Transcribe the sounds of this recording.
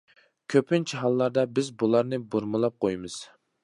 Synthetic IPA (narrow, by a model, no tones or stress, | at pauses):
kʲʰøpʰɪnt͡ʃʰɛɦɑlˠːɑɾd̪ɛbɪzbulˠɑɾnɨbuɾmɨlˠɑp̚qʰojmɨz̥